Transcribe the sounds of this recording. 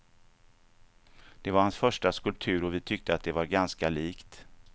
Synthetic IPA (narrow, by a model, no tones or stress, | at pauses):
d̪̥ɛvaɾhansfœʂʈaskɵlp̚t̪ʰʉ̟ːɾɔvɪt̪ʰʏk̚t̪əat̪̚d̪ɛvaɾɡanskaliːkt̪